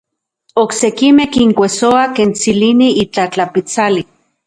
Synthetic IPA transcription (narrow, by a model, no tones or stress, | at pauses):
oksekimehkiŋkʷesoakent͡siliniit͡ɬat͡ɬapit͡sali